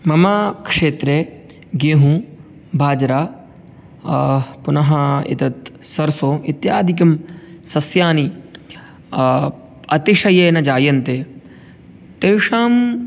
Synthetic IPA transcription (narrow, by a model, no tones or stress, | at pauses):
mɐmaːkʂeːt̪ɾeː | ɡeːɦũ | bʱaːd͡ʒɾaː | punɐɦɐḭt̪ɐt̪sɐɾsoːʔit̪jaːd̪ʱik̬ɐmsɐsjaːni | ɐt̪iʂɐjeːnɐd͡ʒaːjɐnt̪eː | t̪eʋʂaːm